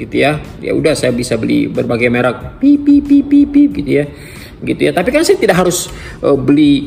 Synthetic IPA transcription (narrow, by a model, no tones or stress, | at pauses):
ɡit̪uja | ja̰ṵdahsajabisabəlḭbərbaɡajmeɾak̚pipipipipibəɡit̪uja | əɡit̪ujat̪apikansajat̪idaʔkɦaɾʊs | ʔəbəli